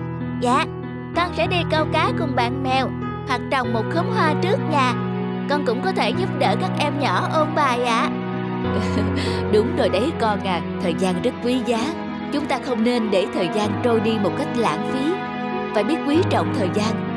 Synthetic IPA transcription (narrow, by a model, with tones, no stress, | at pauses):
za̰ː˧˨ | kɔ˧nsɛ̰˧˥ɗi˧kə˧wkaː˨˦jkʊ˨˩ŋ͡mɓa̰ː˧˨nmɛ˨˩w | hwa˨˩k̚t͡ɕɔ˨˩wŋ͡mmo˨˩t̚xə˨˦ŋ͡mɦwaː˧t͡ɕɨ˦˥ək̚ɲa̰ː˧˩ | kɔ˧nkʊ̰˧˥ŋ͡mkɔ˨˦t̪ʰe˧˩zʊ˦˥p̚ɗə̰ː˧˩kaː˦˥k̚ʔɛ˧mɲɔ˧˩ʔo˧nɓaː˨˩jʔa̰ː˧˨ | ɗʊ˨˦ŋ͡mzo˨˩jɗə˨˦jkɔ˧nʔaː˨˩t̪ʰəː˨˩jzaː˧nzə˦˥t̚kwi˨˦zaː˨˦ | t͡ɕʊ˨˦ŋ͡mt̪aː˧xə˧wŋ͡mne˧nɗe˧˩t̪ʰəː˨˩jzaː˧nt͡ɕo˧jɗi˧mo˨˩t̚ka˦˥jk̟̚la̰ː˧˥nfi˨˦ | faː˨˩ɓi˦˥ət̚kwi˨˦t͡ɕə̰˧˨wŋ͡mt̪ʰəː˨˩jzaː˧n